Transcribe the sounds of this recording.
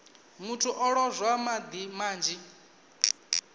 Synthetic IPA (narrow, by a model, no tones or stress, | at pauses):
mutʰuʔɔɺɔzʷwamad̪imaːnd͡ʒi